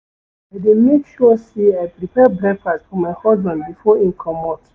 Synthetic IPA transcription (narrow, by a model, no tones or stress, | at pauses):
ademekʃɔsiapɾipɛbɾɛkfastfɔmahɔdbãnbifɔĩŋkʰɔmɔt